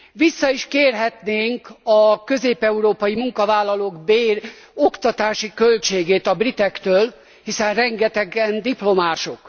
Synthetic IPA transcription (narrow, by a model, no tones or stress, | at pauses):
ʋisːɒiʃkeːrɦɛt̪neːŋkɒkø̞zeːpɛuɾoːpɒjimuŋkɒvaːlːɒloːɡbeːr | okt̪ɒt̪aːʃikø̞lt͡ʃeːɡeːt̪ɒbrit̪ɛkt̪øːl | hisɛnrɛŋɡɛt̪ɛɡɛnd̪iplomaːʃo̞k